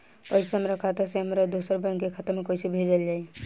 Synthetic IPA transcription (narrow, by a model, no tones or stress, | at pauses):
koɪseɦəmɾakʰat̪aseɦəmɾad̪usəɾbɛ̃ŋkkekʰat̪əɾmẽkoisibʱed͡ʒəld͡ʒaːi